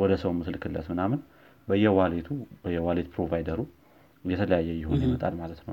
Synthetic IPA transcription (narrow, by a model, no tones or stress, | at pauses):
wɔd̪əsəwmɨslkʰɨlːə̰smɨnamɨn | bəjːɛwalet̪ʰub̥əjːɛwalet̪̚pʰɾo̞vajd̪əɾu | jɛt̪ʰələjajːɛjɪho̞nnəjɪmət̪ʼa̰lmalət̪nəw